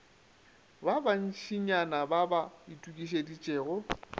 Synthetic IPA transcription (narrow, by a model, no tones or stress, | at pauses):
baban̩ʃʰiɲanababaitʼukʼiʃ̬edit͡ʃʼeːɣɔ